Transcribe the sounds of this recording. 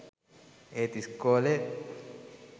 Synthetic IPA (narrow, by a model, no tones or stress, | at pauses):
eːt̪iskːoːle